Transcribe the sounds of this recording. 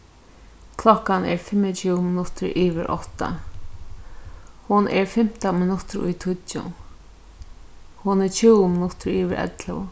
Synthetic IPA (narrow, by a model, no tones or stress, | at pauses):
kʰlɔhkanɛ̰ɹfɪmːət͡ʃʰumɪnʊht̪ɪɹʔiːʋɪɹʔɔ̰ht̪a̰ | hʊnʔɛɹfɪm̥t̪amɪnʊt̪ɪɾʊ̰jt̪ʰʊtːʊ̰n | hʊnɛt͡ʃʰuːmɪnʊt̪ɪɹiːʋɪɾʔɛ̰t̪lə̰